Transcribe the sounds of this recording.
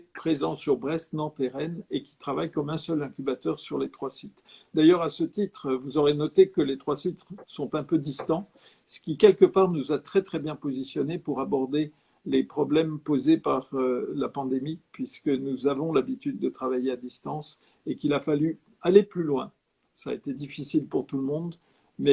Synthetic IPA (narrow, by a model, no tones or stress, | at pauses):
pχezɑ̃syʁbʁɛst̪nɑ̃t̪eʁɛnekʲi̥t̪χavajkɔmɛ̃sœlɛ̃kʲybat̪œʁsyʁlet̪χwasit̪d̪ajœʁasət̪it̪χvuzɔʁenɔt̪ekəlet̪χwasit̪χsɔ̃t̪ɛ̃pød̪ist̪ɑ̃ | sə̥kʲikʲɛlkəpaʁnuzat̪χɛt̪χɛbjɛ̃pozisjɔnepuʁabɔʁd̪e | lepχɔblɛmpozepaʁølapɑ̃d̪emipɥiskənuzavɔ̃labit̪yd̪ːət̪χavajead̪ist̪ɑ̃s | ekilafaly | aleplylwɛ̃ | sa̰et̪ed̪ifisilpuʁt̪uləmɔ̃d̪ | mɛ